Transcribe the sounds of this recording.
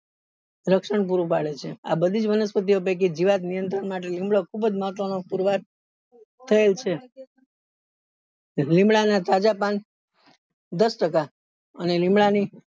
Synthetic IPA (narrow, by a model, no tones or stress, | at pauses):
ɾəkʃəɳp̬uɾupaɭet͡ʃʰea̰bəd̪ʱid͡ʒʋənəspət̪̬iop̬ek̬id͡ʒiʋat̪nijənt̪ɾənmaʈ̬elimbɭokʰubəd͡ʒmat̪anopuɾʋaɾ | t̪ʰəelt͡ʃʰe | lĩmbɭanat̪ad͡ʒapan | d̪əsʈəka | ənelĩmbɭani